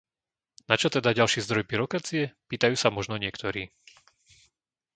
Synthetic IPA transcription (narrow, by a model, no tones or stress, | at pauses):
nat͡ʃɔt̪ɛd̪aɟalʃɛːzd̪ɾɔjbiɾɔkaːt͡siɛpiːt̪ajuːsamɔʒnɔɲɪɛkt̪ɔɾiː